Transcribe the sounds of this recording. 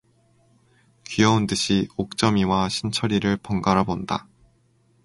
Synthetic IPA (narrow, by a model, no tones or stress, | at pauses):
kijʌuntɯɕʰiok̚t͡ɕ͈ʌmiwaɕʰint͡ɕʰʌɾiɾɯɭpʌŋɡaɾabonda̰